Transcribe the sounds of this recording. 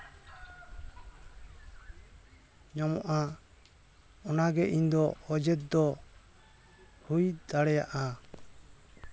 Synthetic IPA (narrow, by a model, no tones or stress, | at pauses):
ɲamɔ̰ʔa | ɔnaɡɛʔind̪ɔɔd͡ʒɛt̪̚d̪ɔ | hujd̪aɽɛja̰ʔa